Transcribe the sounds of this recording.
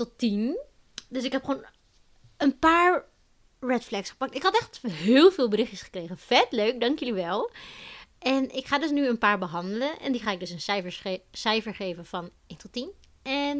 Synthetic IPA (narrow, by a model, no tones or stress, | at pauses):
tɔtin | dɵsɪkɦɛpχoːn | ənpaːɹ | rɛtflɛksχə̥pɑk̚tɪkɦɑtɛχtɦɪːlˠvɪːlˠbəɾɪχjəsχə̥krejχənfɛtløɥk̚dɑŋkjəliʋɛlˠ | ʔɛnɪkχaːdɵs̬nyənpaːɹbəɦɑndələnʔɛ̰ndiχaːɪɡ̚dɵsənsfəssɛjfəɹχejvənvɑn | entɔtːin | ɛn